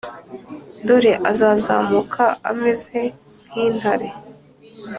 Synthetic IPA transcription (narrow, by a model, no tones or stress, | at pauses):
doɾeʔazazaːmukʰaa̰mezen̥iːn̥haɾe